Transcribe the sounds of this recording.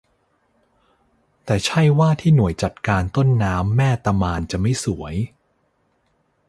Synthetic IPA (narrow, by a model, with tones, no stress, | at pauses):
t̪ɛː˨˩t͡ɕʰa˥˩jwaː˥˩t̪ʰiː˥˩nu˨˩əjt͡ɕa˨˩t̪̚kaː˧nt̪o˥˩nːaː˦˥mːɛː˥˩t̪a˧maː˧nt͡ɕa˨˩ma˥˩jsu˩˦əj